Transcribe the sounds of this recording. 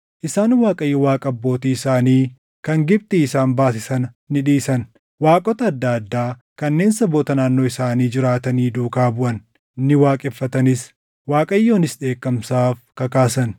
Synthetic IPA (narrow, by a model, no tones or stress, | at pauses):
ʔɪsaːnwaːkʼɐjɪwaːkʼɐɐbːo̞ːt̪iːɪsaːniː | kɐŋɡɪb̚t̪ɪːsaːnbaːsɪsɐnɐ | nɪᶑiːsɐn | waːkʼɔt̪ɐːd̪ːɐd̪ːaː | kɐnːe̞ːnsɐboːt̪ɐnaːnːo̞ːɪsaːniːd͡ʒɪɾaːt̪ɐniːd̪uːkaːbʊʔɐn | nɪwaːkʼɛfːɐt̪ɐnɪs | waːkʼɐjːoːnɪsᶑe̞ːkːɐmsaːfkɐkaːsɐn